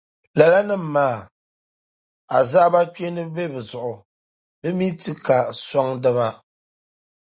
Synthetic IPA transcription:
la˨la˦nɨ˦m̩˨˦maː˦˨ | a˨zaː˦ba˦t͡ʃe˦nɨ˦be˦bɛ˨zʊ˨ʔʊ˨ | bɛ˦mi˦ti˦ka˨sɔ˦ŋdɨ˦βa˦

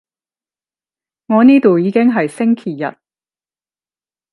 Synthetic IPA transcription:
ŋɔː˨˧niː˥t̪o˨wjiː˨˧kɪ˥ŋɦɐ˨jsɪ˥ŋkʰiː˨˩jɐ̰˨t̚

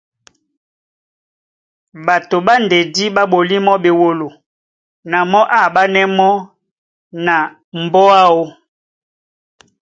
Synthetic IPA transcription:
ba˨to˨ɓa˦nde˨di˦ɓa˦ɓo˨li˦mɔ˦ɓe˨wo˨lo˨ | na˨mɔ˦ʔa˦˨ba˦nɛ˦mɔ˦ | na˨ | m˨bɔ˦a˦o˦

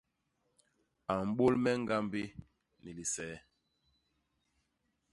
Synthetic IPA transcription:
a˨m̩˦ɓo˦lmɛ˦ŋ˦ɡa˦mbe˦ | ni˨li˨sɛ˨˦

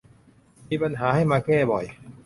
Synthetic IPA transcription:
miː˧pa˧nɦaː˩˦ha˥˩jmaː˧kɛː˥˩bɔ˨˩j

